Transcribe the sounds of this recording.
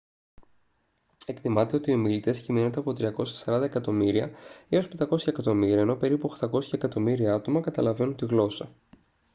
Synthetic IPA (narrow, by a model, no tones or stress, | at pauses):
e̞kt̪imɐt̪e̞o̞t̪io̞milit̪e̞sciminond̪e̞ɐpo̞t̪ɾiɐko̞sçɐ̥sɐɾɐnd̪ɐe̞kɐt̪o̞miɾiɐio̞spend̪ɐko̞sçɐekɐt̪o̞miɾiɐeno̞pe̞ɾipuxt̪ɐko̞sçɐekɐt̪o̞miɾiɐɐt̪o̞mɐkɐt̪ɐlɐvenunt̪iɣlo̞sɐ